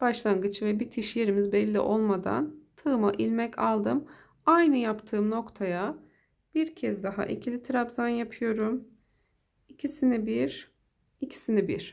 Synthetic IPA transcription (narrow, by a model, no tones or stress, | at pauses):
b̥aʃlˠaŋɡɯt͡ʃʰɯvɛbit̪ʰiʃje̞ɾimizbɛlʲːḭʔo̞lˠmad̪a̰nt̪ʰɯːmaʔilʲmɛcʰalˠd̪ɯm | ajnɯjapt̪ʰɯːmno̞kt̪ʰaja | b̥iɾcʰɛzd̪aɦa̰ʔicʰilʲit̪ʰɾabzanjapʰɯjo̞ɾum | icʰisinibiɾ | icʰi̥sinibḭɾ̥